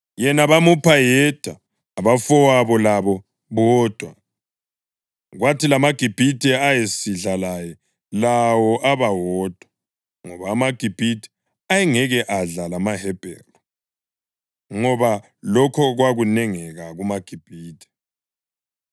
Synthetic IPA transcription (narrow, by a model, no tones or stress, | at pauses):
jɛnaβamupʰajɛd̥ʱaː | βafɔwaβɔlaβɔ | βɔːd̥ʱwa | ɣwatʰilamaɡ̥ʱib̥ʱitʼɛajesiɮalajɛ | lawɔʔaβawɔːd̥ʱwa | ŋɔβaːmaɡ̥ʱib̥ʱitʰʼɛ̥ | ajɛŋɛɣɛʔaɮalamaɦɛb̥ʱɛ̰ːlu | ŋɔβa | lɔkʰɔɣwaɣunɛŋɛɣaɣumaɡ̥ʱib̥ʱiːtʼɛ̥